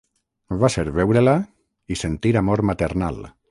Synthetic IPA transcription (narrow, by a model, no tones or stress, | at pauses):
βaseɾβɛwɾela | isent̪iɾamoɾmat̪eɾna̰l